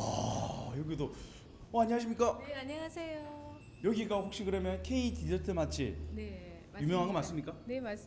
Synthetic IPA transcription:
ʌ̰jʌɡido | ʌaɲeɦaɕʰimɲik͈aaɲasʰejo | jʌɡik͈aɸok̚ɕ͈iɡɯɾemjʌnkʰe̞itid͡ʑʌtʰɯmat͡ɕʰḭne | jumjʌŋɦaɡʌmas͈ɯmɲik͈anemas

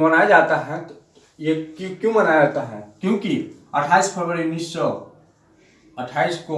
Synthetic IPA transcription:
mɐnaːjd͡ʒaːt̪aɦɛ̃ | jekikjõmɐnajad͡ʒaːt̪aɦɛ̰ːkjõːkiɐʈʰaːispʰeɾʋəɾiʊnːiːssɔ | ɐʈʰaːisko

